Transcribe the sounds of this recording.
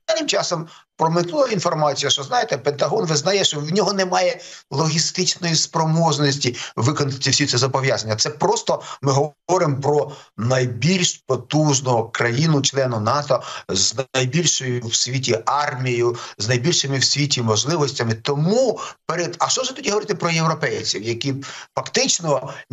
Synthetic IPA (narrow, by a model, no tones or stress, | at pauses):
alnʲɪmt͡ʃɑsɔmpɾɔmɪt̪ˠuɐinfɔrmɑt͡sʲijɐʃt͡ʃɔznɑjet̪ɛpent̪ɐɦɔnʋɪznɐjɛʃt͡ʃɔwnʲɔɦɔnɛmɑjɛlˠɔɦʲist̪ɪt͡ʃnɔjispɾɔmɔʒnɔsʲtʲiʋɪkɔnɐt̪ʲːɪwsʲit̪ɛzɐbɔʋʲjazɐnʲːɐt̪sɛpɾɔst̪ɔmɪɦɔɔɾɪmpɾɔnɐjbʲilʲʃpɔt̪uʒnɔɔkɾɐjinʊt͡ʃlˠɛnʊnɑt̪ɔznɐjbʲilʲʃɔjʊwsʲʋʲitʲiɑrmʲijjʊznɐjbʲilʲʃɪmɪwsʲʋʲitʲimɔʒlˠɪʋɔsʲtʲɐmɪt̪ɔmupeɾed̪ɐʃt͡ʃɔʒɛt̪ɔdʲiɦɔʋɔɾɪt̪ɪpɾɔjewɾɔpɛjt͡sʲiwjɐkʲifɐkt̪ɪt͡ʃnɔ